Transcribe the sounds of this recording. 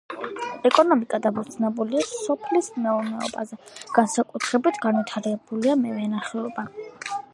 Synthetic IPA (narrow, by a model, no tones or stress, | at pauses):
ɛkʼɔnɔmikʼad̪abɔt̪sʰnɛbuliasɔpʰlismɛuɾnɛɔ̰ba̰zɛɡ̥ansakʼut̪ʰɾɛbit̪ʰɡanvit̪ʰaɾɛb̥uliamɛvɛnaχɛɔba